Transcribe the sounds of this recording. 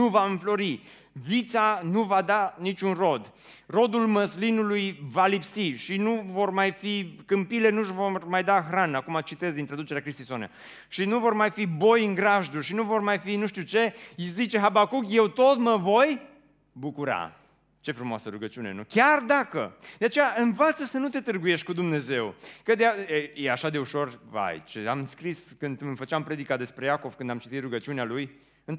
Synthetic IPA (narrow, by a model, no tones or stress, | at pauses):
nuvaɨɱflo̞ɾi | vit̪sanuvad̪anit͡ʃʲunro̞d̪ | ro̞d̪ulməslinulujvalipsiʃinuvo̞rmajfikɨmpile̞nuʒvormajd̪axɾanakumat͡ʃit̪e̞zd̪int̪ɾad̪ut͡ʃe̞ɾeakɾist̪isonḛa̰ | ʃinuvo̞rmajfibo̞jɨŋɡɾaʒd̪uʃinuvo̞rmajfinuʃt̪ut͡ʃe̞izit͡ʃe̞ɦabakukje̞wt̪o̞t̪məvo̞j | bukuɾa̰ | t͡ʃe̞fɾumoasəɾuɡət͡ʃiune̞̰nukʲard̪akəd̪e̞at͡ʃe̞jaɨnvat̪səsənut̪e̞t̪ɨrɡuje̞ʃt̪̚ʲkud̪umne̞ze̞wkəd̪eaejeaʃad̪e̞uʃo̞rva̰jt͡ʃea̰mskɾiskɨnd̪ɨmfət͡ʃeampɾe̞d̪ikad̪e̞spɾe̞jako̞v̥kɨnd̪amt͡ʃit̪it̪ruɡət͡ʃiunealuj | ɨn